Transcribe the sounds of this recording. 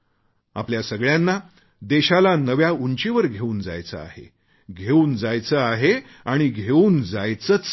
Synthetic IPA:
a̰pljasəɡɭjãnːa | d̪eɕalanəʋjauɲt͡ɕeʋəɾɡʱeuːnd͡za̰jt͡sə̰a̰ɦḛ | ɡʱeuːnd͡zajt͡səaɦe | aɽ̃iɡʱeuːnd͡zajt͡sət͡s

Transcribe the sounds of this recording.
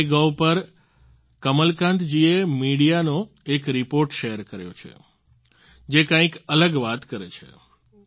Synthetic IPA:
ɡawpəɾ | kəməlkãnt̪d͡ʒiemiɽijanõ | ekɾipoɾʈʃeɦəɾkəɾjo̰t͡ʃʰḛ | d͡ʒekãĩkələɡʋat̪kəɾḛt͡ʃʰḛ

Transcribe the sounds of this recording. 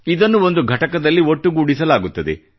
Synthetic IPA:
id̪ɐnːuo̞nd̪uɡʱɐʈɐkɐd̪ɐlːioʈːuɡuːɽisɐlaːɡut̪ːɐd̪ḛ

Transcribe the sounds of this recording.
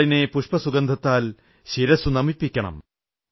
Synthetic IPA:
ɭinepuʂpɐsuɡɐnd̪ʱɐt̪ːaːl | ɕiɾɐsunɐmipːikʲːɐɳɐ̰m

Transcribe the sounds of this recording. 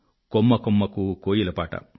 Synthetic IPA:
komːɐkomːɐkukoːjilɐpaːʈɐ̰

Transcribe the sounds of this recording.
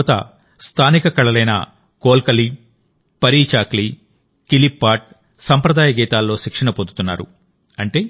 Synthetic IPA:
t̪ɐ̰ | st̪ʰaːnikɐkɐɭɐlɐjnɐ̰ | koːlkɐli | pɐɾiːt͡ʃaːkli | kilipːaːʈ̚ | sɐmpɾɐd̪aːjɐɡiːt̪aːlːo̞ːʃikʂɐɳɐpond̪ut̪unːa̰ːɾṵ | ɐɳʈe̞ː

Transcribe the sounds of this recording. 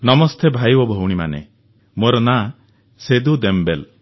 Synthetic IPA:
nɔmɔst̪ʰebʱajbɔbʱɔwɽ̃ima̰nḛ | moɾɔna | sed̪ud̪embel

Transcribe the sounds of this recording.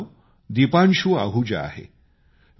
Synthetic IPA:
d̪ipanɕuːa̰ɦud͡ʑa̰a̰ɦḛ

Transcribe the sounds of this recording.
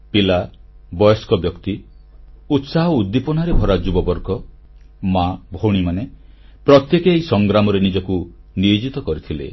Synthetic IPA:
pila | bɔjɔskɔbjɔkt̪i | ut̪saɦɔud̪ːipɔnaɾebʱɔɾad͡ʒubɔbɔɾɡɔ | mabʱoɽ̃imane | pɾɔt̪jekeːisɔŋɡɾamɔɾenid͡ʒɔkuniid͡ʒit̪ɔkɔɾit̪ʰilḛ

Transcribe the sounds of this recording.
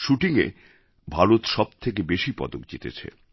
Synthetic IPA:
ʃuʈiŋḛ | bʱaɾot̪ʃɔb̚t̪ʰekebeʃipɔ̰d̪ok̚d͡ʑit̪ḛt͡ɕʰḛ

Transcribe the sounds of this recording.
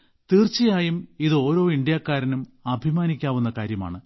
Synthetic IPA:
t̪iːrt͡ɕːijaːjumiðɨo̞ːɾo̞ːiɳɖjaːkːaːɾɐnumɐbʱimaːnikʲːaːʋunːɐkaːɾjɐma̰ːɳɨ

